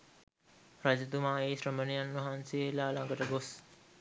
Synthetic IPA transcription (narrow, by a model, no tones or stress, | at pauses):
ɾad͡ʒɐd̪umaːeːsɾəmənijanːɐɦanseːlaːlãŋɡəʈəɡos